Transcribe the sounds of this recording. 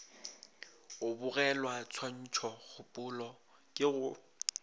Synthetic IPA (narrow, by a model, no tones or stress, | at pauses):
ʊbʊɣɛlwat͡sʰwan̩t͡ʃʰɔɣʰʊpʼʊlɔ | kʼɪɣʊ